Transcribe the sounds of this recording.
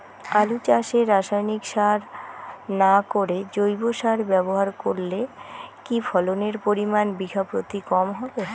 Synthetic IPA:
alut͡ɕaʃeɾːaʃajnikʃaɾnakoɾed͡ʑojboʃaɾbɛboɦaɾkoɾlekifʰɔloneɾpoɾimanbikʰapɾot̪ikɔmɦɔbe

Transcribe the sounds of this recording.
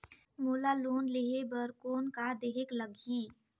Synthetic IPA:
moːlaloːnleɦebəɾkoːnkad̪eːɦekləɡʱiː

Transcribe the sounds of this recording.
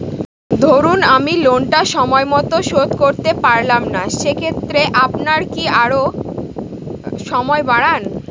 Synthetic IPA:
d̪ʱoɾunamilonʈaʃɔmɔemɔt̪oʃod̪koɾt̪epaɾlamnaʃekʰet̪ːɾeʔapnaɾkiaɾo | ʃɔmɔebaɽan

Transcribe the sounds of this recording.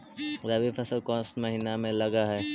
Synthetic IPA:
ɾɐbipʰɐsəlkɔ̃ːsməɦinamẽlɐɡaɦɛː

